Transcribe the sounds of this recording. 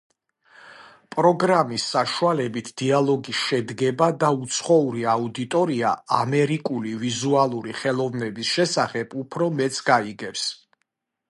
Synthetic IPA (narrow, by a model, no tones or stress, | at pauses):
pʼɾɔɡɾamisːaʃualɛbit̪ʰd̪̥ialˠɔɡisʃɛd̪ɡɛbad̪aut̪sʰχɔuɾiaud̪it̪ʼɔɾia̰amɛɾikʼulivizualˠuɾiχɛlˠɔvnɛbisʃɛsaχɛbupʰɾɔmɛt̪sʰʼɡaiɡɛfs